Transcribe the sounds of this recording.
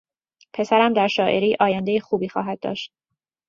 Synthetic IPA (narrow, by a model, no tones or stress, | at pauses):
pʰe̞sæɾæmd̪æɾʃɒːʔe̞ɾiːʔɒːjænd̪ejexuːbiːxɒːɦæd̪̚d̪ːɒ̰ːʃt̪̚